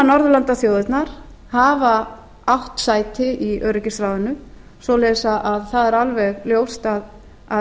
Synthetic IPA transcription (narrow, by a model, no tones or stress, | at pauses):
nɔɾðʏlant̪aθjowðɪt̪naɾ̥ | haːva | awht̪saːjt̪ɪʔiœːɾɪcɪsɾaːwðʏnʏ | svɔlɛjsaʔaðθaðɛɾalvɛɣljoːwst̪að | a